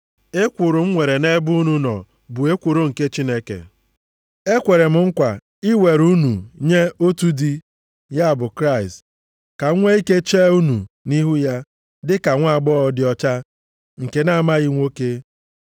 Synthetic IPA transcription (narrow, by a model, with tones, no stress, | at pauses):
e˦kʷʊ˨ɾʊ˨m̩˦ŋʷe˨ɾe˨ne˦bʊ˦nu˦nɔ̰˨ | bʊ˨e˦kʷu˨ɾo˦ŋ̩˨ke˦t͡ʃi˦ne˦kḛ˨ | e˦kʷe˨ɾe˨m̩˨ŋ̩˦kʷa˨ | i˦we˨ɾu˦nu˨ɲe˦o˦tu˦di˦ | ja˦a˨bʊ˨kɾa˦˨ɪ˨st | ka˨˦ŋʷe˦i˦ke˦t͡ʃeː˦u˦nu˨ | ni˦ɦu˦ja˦ | dɪ˦ka˨ŋʷa˦˨ɡ͡bɔ˦ɔ˨˦dɪ˦ɔ˦t͡ʃa˦ | ŋ̩˨ke˨na˦a˨ma˦ɣi˦ŋʷo˦ke˦